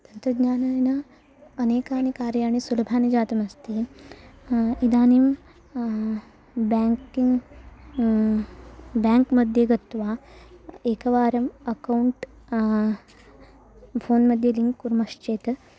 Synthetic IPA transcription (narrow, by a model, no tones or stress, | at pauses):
t̪ɐnt̪ɾɐd̪ɲaːnajna | ɐneːkaːnikaːɾjaːɽ̃isulɐbʱaːnid͡ʒaːt̪ɐmɐst̪i | id̪aːnim | bakiŋɡ | bɛŋkməd̪ʱjeɡɐt̪ʋa | eːkɐʋaːɾɐmɐkauɳʈ | foːnmɐd̪ʱjeliŋɡkuɾmɐʂt͡ʃeːt̪